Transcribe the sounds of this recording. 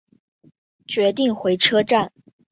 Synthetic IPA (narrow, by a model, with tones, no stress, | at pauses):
t͡ɕɥɛ˧˥t̪̬i˥˩ŋxwe˧˥ɪʈ͡ʂʰɤ˥ʈ͡ʂa˥˩n